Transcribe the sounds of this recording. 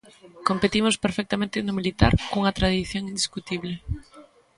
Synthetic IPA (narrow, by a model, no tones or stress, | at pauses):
kompet̪imospeɾfek̚t̪amẽnt̪ɪnʊmilit̪a̰ɾkouŋɐt̪ɾað̞iθjoŋind̪iskut̪iβ̞le